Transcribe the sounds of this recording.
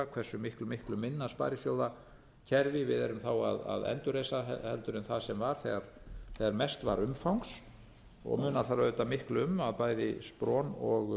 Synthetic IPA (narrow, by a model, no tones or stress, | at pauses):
akʰvɛr̥sːʏmɪhklʏmɪhklʏmɪnːaspa̰jɾɪsjowða | cʰɛɾvɪvɪðɛɾʏmθawa̰ða̰ðɛ̰nt̪ʏɾejsahɛlt̪ʏɾʏmθaðsɛmvaɾ̥θɛɣaɾ̥θɛːɣaɾmɛst̪va̰ɾʏmfawŋks | ɔ̰ɣmʏːnaθaɾœːt̪amɪhklʏmaðpaːjðɪspɾɔːnɔɣ